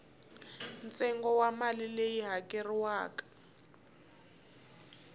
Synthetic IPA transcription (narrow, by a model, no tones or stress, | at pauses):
nt͡sʼɛŋɡɔwamalilejiɦakʼeriwaːkḁ